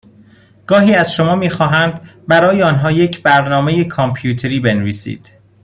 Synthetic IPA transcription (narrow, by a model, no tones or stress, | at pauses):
ɡ̥ɒːɦiːæz̥ʃo̞mɒːmiːxɒːɦænd̪bæɾɒːjeɒːnɦɒːje̞cʰbæɾnɒːme̞jekʰompʰjuːt̪ʰeɾiːbe̞nviːsḭːd̪̥